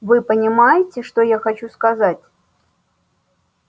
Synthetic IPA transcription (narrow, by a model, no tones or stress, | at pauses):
vɨpənʲɪmajɪtʲɪʂt̪ojaxɐt͡ɕuskɐzatʲ